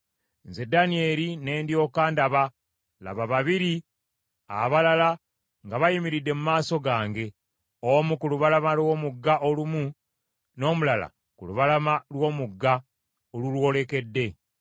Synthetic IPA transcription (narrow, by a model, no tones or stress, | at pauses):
nze̞danie̞ːɾine̞ːndjo̞ːkaːndaβa | la̰βaβaβiɾi | a̰βalala | ŋɡaβajimiɾidːe̞mumaːso̞ɡaːŋɡe̞ | omukuluβalamalwo̞ːmuɡːaʔolumu | no̞ːmulala̰ | kṵluβalamalwo̞ːmuɡːa | olulwo̞le̞ke̞dːe̞